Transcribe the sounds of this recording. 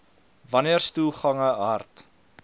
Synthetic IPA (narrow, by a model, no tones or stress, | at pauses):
vɐniərstulˠχɐŋəɦɐrt